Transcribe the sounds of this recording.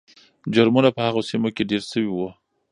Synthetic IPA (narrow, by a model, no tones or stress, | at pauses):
d͡ʒʊɾmunapəhaɣosimokeɖeɾsəwiwə